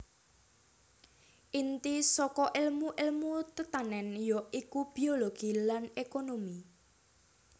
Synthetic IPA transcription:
ʔint̪isɔkɔʔɪlmuʔɪlmut̪ət̪anɛnjɔikub̥ioloɡ̥ilanekonomi

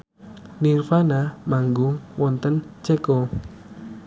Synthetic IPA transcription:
nirfanamaŋɡʊŋwɔnt̪ənt͡ʃɛkɔ

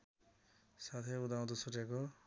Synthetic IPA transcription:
sat̪ʰeud̪aw̃t̪osuʈjako

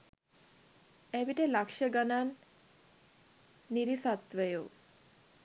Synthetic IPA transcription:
ebiʈelakʃəɡanan | iɾisat̪ʋəju

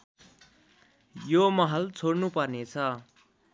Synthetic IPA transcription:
jomʌɦʌlt͡sʰoɽnupʌrnet͡sʰʌ

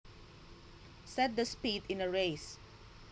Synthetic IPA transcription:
sɛt̪̚d̪ɐspid̪ɪ̃nɐɹejs

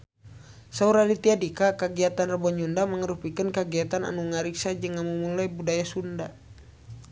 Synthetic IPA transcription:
sauɾalit̪iadikakəɡiat̪anrəbɔɲundaməŋəɾupikənkəɡiat̪ana̰nuŋaɾiksad͡ʒɨŋːamumulajbudajasunda

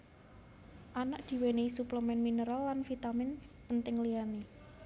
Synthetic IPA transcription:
ʔanaʔd̪̥i̤weneisupləmɛnminəɾaːanfit̪amɪnpənt̪ɪŋliani

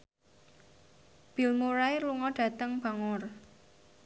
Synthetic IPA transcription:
b̥i̤lmuɾajluŋɔɖ̥ä̤t̪əŋb̥a̤ŋɔr

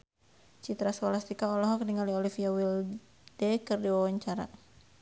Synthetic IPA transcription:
t͡ʃit̪ɾaswalast̪ikaɔlɔɦɔkniŋaliɔlifiawil | d̥ɛkɨrdiwawaɲt͡ʃaɾa

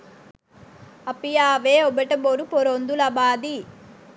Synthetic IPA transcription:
ɐpijaːʋeobeʈɐboɾupoɾond̪ulɐbaːd̪i

